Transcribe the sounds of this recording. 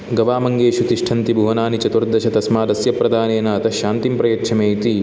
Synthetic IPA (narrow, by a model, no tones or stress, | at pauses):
ɡɐʋaːmɐŋɡeːʃut̪iʂʈʰɐnt̪ibʱuʋɐnaːnit͡ʃɐt̪uɾd̪ʱɐʃɐt̪ɐsmaːd̪ɐsjɐpɾɐd̪ʱaːneːnɐɐt̪ɐʃaːnt̪impɾɐjɐkʃʰɐmeːit̪i